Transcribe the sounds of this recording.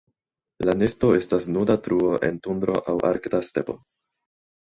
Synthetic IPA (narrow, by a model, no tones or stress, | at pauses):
lanesto̞e̞stasnudatɾuo̞ʔe̞̰ntund̪ɾo̞̰ʔawʔa̰ɾkdaste̞̰po̞̰